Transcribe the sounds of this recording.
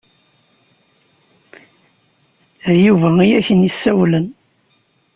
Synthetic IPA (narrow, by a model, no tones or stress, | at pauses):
juvæijæçənjisːæwlən